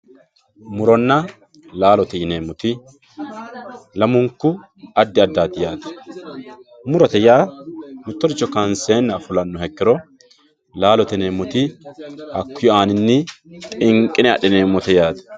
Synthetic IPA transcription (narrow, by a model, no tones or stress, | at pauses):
mʊɾɔnːɐ | laːlɔt̪ɛjɪneːmːɔt̪ɪ | lɐmʊŋkːʊ | ɐd̪ːɪɐd̪ːaːt̪ɪjaːt̪ɐ̥ | mʊɾɔt̪ɛjaːmɪt̪ːɔɾɪt͡ʃːɔkɐnseːnːɐfʊlɐnːɔhɛkːɪɾɔ | laːlɔt̪ɛneːmːɔt̪ɪhɐkːʊjɔaːnɪnːɪt̪ʼɪŋkʼːɪnɛɐ̰ɗɛneːmːɔt̪ɛjaːt̪ɐ̥